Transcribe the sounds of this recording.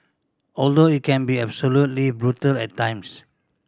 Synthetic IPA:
ɔldoit̚kʰɛ̃nbiɛbsolutlibɹutəlɛtːãj̃ms

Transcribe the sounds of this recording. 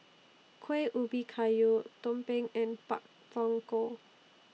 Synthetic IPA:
kʰweʔubikʰajut̪ompeŋɛ̃npa̰ʔ | fɔŋko

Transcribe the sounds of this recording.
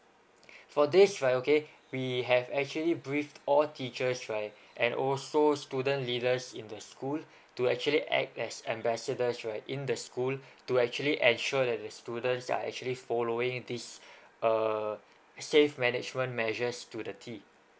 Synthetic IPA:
fɔdisɹaɪtoke | wiɦɛvɛk̚t͡ʃuəlibɹiftɔltʰit͡ʃəsɹaɪt | ʔɛ̃nʔɔ̰lsostudə̃nlidəsĩndəskul | tuɛk̚t͡ʃuəliʔɛ̰k̚tɛsɛ̰̃mbɛsədəsɹaɪtḭ̃ndəskultuɛk̚t͡ʃuəliʔɛ̃nʃɔdɛt̚dəstudə̃ntsa̰ɛ̰k̚t͡ʃuəlifɔloɪ̃ŋdisə | sefmɛnɪd͡ʒmə̃nmɛʒəstudətʰi

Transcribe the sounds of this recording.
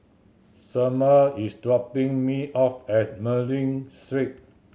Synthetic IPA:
saməisdɹɔpĩŋmiʔɔfɛt̚məlĩŋstɹik̚

